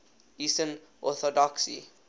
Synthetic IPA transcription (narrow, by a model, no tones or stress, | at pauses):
isə̃nʔɔθɔdɔksḭ